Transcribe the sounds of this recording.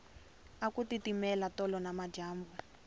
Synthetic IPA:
akutitimɛlatɔlɔnamad͡ʒaːmbu

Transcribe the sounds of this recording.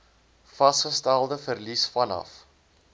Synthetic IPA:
fɐsχəstælˠdəfərlisfɐnɐ̰f

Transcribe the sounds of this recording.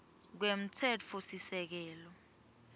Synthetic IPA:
k̬wem̩tʰɛt͡fʰɔsisɛk̬ɛːlɔ

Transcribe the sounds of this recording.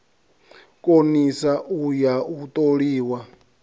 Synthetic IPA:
kʼonisaʔujaut̪ʼoɺiːwa

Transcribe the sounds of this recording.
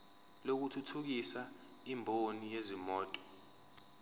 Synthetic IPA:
lok̬utʰutʰuk̬isa | imbʱonijezimɔːtʼɔ̥

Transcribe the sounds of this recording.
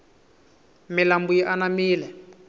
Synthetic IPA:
milambujiʔanamiːlɛ

